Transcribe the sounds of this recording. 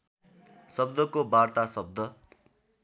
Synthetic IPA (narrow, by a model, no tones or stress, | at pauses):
sʌb̚d̪ʌkobart̪asʌb̚d̪ʱʌ